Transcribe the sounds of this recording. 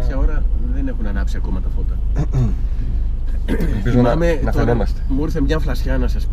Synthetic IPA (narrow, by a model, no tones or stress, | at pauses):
sɐoɾɐðenexunɐnɐpsiɐkomɐt̪ɐfot̪ɐ | lpizoɐmenɐfɐnemɐst̪emuɾθemɲɐflɐsçɐnɐsɐsp